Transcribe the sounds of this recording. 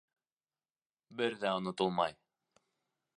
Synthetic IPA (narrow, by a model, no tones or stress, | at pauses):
bɘɾðæonot̪ulˠmɑj